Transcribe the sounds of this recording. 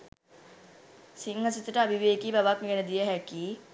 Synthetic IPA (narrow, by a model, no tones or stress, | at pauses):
siŋasit̪əʈəabʱiʋeːkibaʋakmiɡɛnəd̪ijəɦækiː